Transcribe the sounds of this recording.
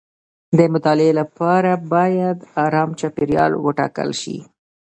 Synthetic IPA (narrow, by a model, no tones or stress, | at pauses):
d̪əmʊt̪ɑlɪelapɑɾabɑjad̪ɑɾɑmt͡ʃɑpeɾjɑ̰lwəʈɑ̰kə̰lʃḭ